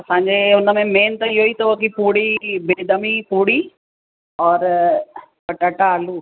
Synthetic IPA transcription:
ɐsãːɪ̃ɲd͡ʑeʊnəmẽmeːnt̪ɐɪɦoit̪ɐkipuːɽibed̪əmipuːɽi | ɔːɾ | pɐʈəʈaːluː

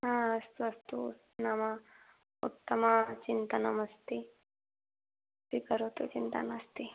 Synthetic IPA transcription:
ɦãːɐst̪uɐst̪u | namɐ | ṵt̪ːɐmɐt͡ʃint̪ɐnamɐst̪i | sikɐɾot̪ut͡ʃint̪ɐ̰nast̪i

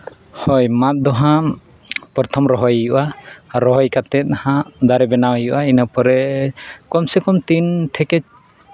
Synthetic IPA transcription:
hɔjmat̪̚d̪ɔɦã | pɔɾt̪ʰɔmɾɔɦɔjjuʔaɾɔɦɔjkat̪ɛt̪̚nahãd̪aɾɛbɛnawijṵʔainəpɔɾɛkɔmsɛkɔmt̪int̪ʰɛkɛt͡ʃ

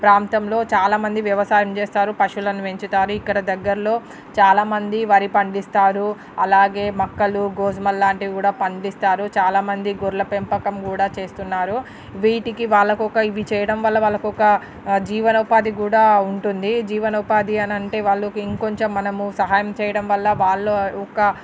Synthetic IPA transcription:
pɾaːmt̪ɐmlo̞ːt͡ʃaːlaːmɐnd̪iʋjɐʋɐsaːjɐmt͡ʃeːst̪aːɾupɐʂulɐnuʋe̞ɲt͡ʃut̪aːɾuikːɐɽɐd̪ɐɡːɐɾɐlo̞ː | t͡ʃaːlaːmɐnd̪iʋɐɾipɐɳɖist̪aːɾu | ɐlaːɡe̞ːmɐkːɐluɡoːzmɐlːaːɳʈiʋikuːɽaːpɐɳɖist̪aːɾut͡ʃaːlaːmɐnd̪iɡuɾlɐpempɐkɐmkuːɽaːt͡ʃe̞ːst̪unːaːɾu | ʋiːʈikiʋaːɭːɐkuɔkɐiʋit͡ʃɛːjɐɽɐmʋɐlːɐʋaːɭːɐkuɔkɐ | d͡ʒiːʋɐnɐupaːd̪ik̬uːɽaːuɳʈund̪id͡ʒiːʋɐnɐupaːd̪iɐnɐɳʈe̞ːʋaːɭːɐkiŋkoɲt͡ʃɐmːɐnɐmusɐɦaːjɐmt͡ʃɛːjɐɽɐmʋɐlːɐʋaːɭːoɔkɐ

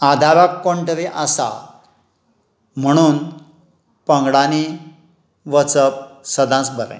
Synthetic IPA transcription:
ad̪ʱaʋakːoɳʈʋeʔasa̰ | m̤əɽ̃uːn | pəŋɡɽani | ʋət͡səp̚səd̪ãsbʱəɾə̰̃

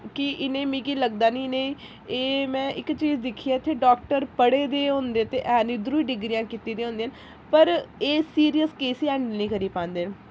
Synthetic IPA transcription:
kɪʔɪnẽːmĩːkiːləɡd̪aːnĩːnẽː | eːmɛ̃ːʔɪkt͡ʃiːzd̪ɪkʰːiːaːɪt̪ʰːeːɖaːk̚ʈəɾpəɽeːd̪eːɦõːnd̪eːt̪eːʔɛːnĩːd̪ɾuːiːɖɪɡɾiːãːkit̪iːd̪eːõʊ̃ːnd̪eːən | pəɾeːsiːɾijəskeːsiːɛ̃ːɳɖnĩːkəɾiːpãːnd̪eːn

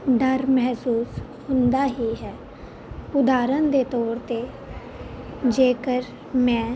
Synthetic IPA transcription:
ɖəɾmɛɦsuːs | hʊ̃nd̪aːɦiːɦɛː | ʊd̪aːɾənd̪eːt̪ɔːɾt̪eː | d͡ʒeːkəɾ | mɛ̃ː

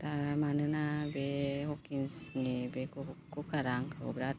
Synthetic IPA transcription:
t̪amanənabeɦokinsŋibekukukʰaɾaŋkʰəṵbɾat̪̚

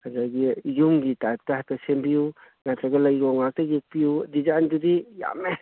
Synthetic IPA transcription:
azaɡijumɡitajp̚taɦatasembiju | nataɡɐlajɾɔŋak̚tajek̚pijudizand͡ʒudija̰me

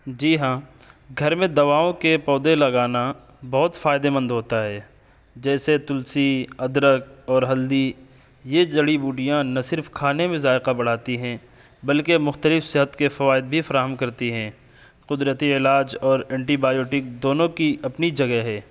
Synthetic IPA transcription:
d͡ʒiːɦãː | ɡʱɐɾmẽd̪ɐʋaːõkepɔːd̪elɐɡaːna | bɐɦʊt̪faːɪd̪emə̃nd̪ɦoːt̪aɦɛː | d͡ʒɛːset̪ʊlsiɐd̪ɾək̚ɔːɾɦɐld̪i | jed͡ʒɐɽibuːɖijãnɐsɪɾfkʰaːnemẽzaːɪqabɐɽ̤aːt̪iɦɛ̃ː | bɐlkemʊxt̪əlɪfsɪɦət̪kefɐʋaːɪd̪̚bʱifɐɾaːɦəmkɐɾt̪iɦɛ̃ː | qʊd̪ɾət̪iɪlaːd͡ʒɔːɾɛ̃ːɳʈibaːjoːʈɪk̚d̪oːnõkiɐpnid͡ʒɐɡɛɦɛː

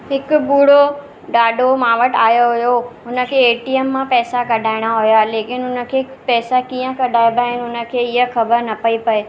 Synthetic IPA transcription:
ɦɪkʊbuːɽo | ɖaːɖʱomãːʋəʈaːjoɦʊjoɦʊnə̆kʰeːeːʈiːeːmːãpɛːsakɐɖʱaːɪɽ̃aɦʊjaleːkɪnɦʊnə̆kʰeːpɛːsakiːjə̃kɐɖʱaːebaːɦɪnɦʊnə̆kʰeːɪɦəxɐbəɾnɐpɐipɐeː

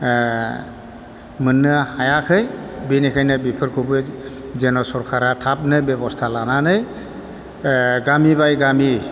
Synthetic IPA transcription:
mɯnːɯhajakʰɯjbinikʰajnɯbipʰɯɾkʰubɯzenɔsɔɾkʰaɾatʰap̚nɯjbebɔstʰalananɯj | ɡamibajɡami

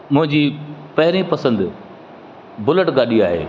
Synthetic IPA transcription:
mʊ̃ɦɪ̃ɲd͡ʑiːpɐɦɪɾipɐsə̃nd̪ | bʊləʈɡaːɗiaːɦḛː

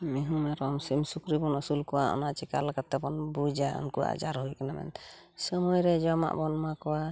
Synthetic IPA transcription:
miɦumaɾɔmsimsukɾibɔnɔsulkɔwaɔ̰nat͡ʃikalakat̪ːɛbɔnbud͡ʒaɔ̰nkuwa̰d͡ʒaɾɦoikanamɛ̰nsɔmɔjɾɛd͡ʒɔma̰ʔbɔnmakɔwa

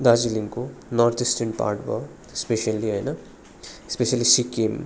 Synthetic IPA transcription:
d̪aːd͡ʒiliŋkonɔːɾt̪ʰisʈɐ̃ɳʈ̚pa̰ːɾʈʋa̰ | speʃɐlːiajnɐ | speʃɐliʃikem

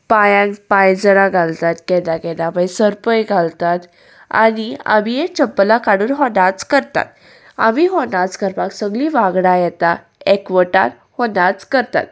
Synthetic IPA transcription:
pajãnpãjd͡zəɾãɡʱalt̪at̪kɛnãkɛnamajsəɾpəjɡʱalt̪at̪ | a̰nia̰mijet͡ɕəpːəlakaɽuːnɦonat͡skəɾt̪a̰t̪ | a̰miɦonat͡skəɾpaksəɡliʋaɡɽajɛt̪a | ekʋəʈa̰n | honat͡skəɾt̪a̰t̪̚

